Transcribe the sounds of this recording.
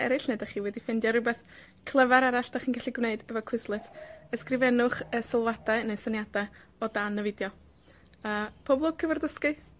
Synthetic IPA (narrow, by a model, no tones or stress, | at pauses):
ɛ̰ɾɨɬneɨdaχiːwɛdifɪndjaɾʊbɛθ | kʰlˠəvaɾaɾaɬd̥aχiːnkaɬiɡwneɨdɛvɔkʰw̥ɪslˠɨtʰəskrɪvɛnʊχəsɪlˠwadaɨnesənjadaɔdanəvɪdjɔ | əːpʰɔblˠɔkʰəvɔrdəskɨ